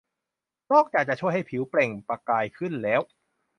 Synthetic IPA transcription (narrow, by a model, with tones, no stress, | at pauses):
nɔː˥˩k̚t͡ɕaː˨˩k̚t͡ɕa˨˩ʔt͡ɕʰu˥˩əjɦa˥˩jpʰi˩˦wple˨˩ŋpɾa˧kaː˧jkʰɯ˥˩nlɛː˦˥w